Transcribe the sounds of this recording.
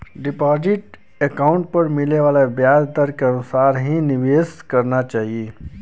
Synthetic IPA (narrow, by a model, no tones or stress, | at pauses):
ɖɪpaːzɪʈ | ekaːʊ̃ɳʈ̚pɐɾmɪleʋaːlabjaːd̪t̪əɾkeɐnʊsaːɾɦinɪʋeːskɐɾnat͡ʃaːɦieː